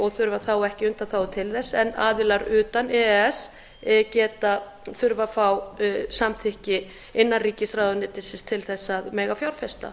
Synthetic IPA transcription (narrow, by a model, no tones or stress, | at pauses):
ɔɣθʏɾvaθawɛhcɪʏnt̪aθaːwt̪ʰɪlθɛsːɛnːaːðɪlaɾʏːt̪anɛɛs | cɛːt̪a | θʏɾvafawsamθɪhcɪ | ɪnːariːcɪsraːðʏnɪːt̪ɪsɪst̪ʰɪlθɛsːaðmɛːɣafjawɾ̥fɛst̪a̰